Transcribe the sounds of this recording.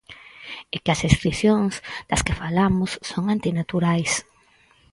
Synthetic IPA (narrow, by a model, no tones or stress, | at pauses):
ekɐseskɾiθjoŋzd̪̥ɐskɪfalamʊsːoŋant̪inat̪uɾajs